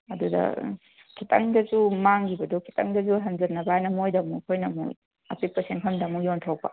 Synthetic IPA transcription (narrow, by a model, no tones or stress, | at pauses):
ɐdudɐ̰ | kʰitʰɐ̰ŋdɐzumaŋɡibɐdokʰi̥tɐ̰ŋdɐzuɦɐnzɐɾnɐbaajnɐmojdɐmukʰojnɐmṵ | ɐpipɐsenkʰɐmdɐmujontʰawpɐ̰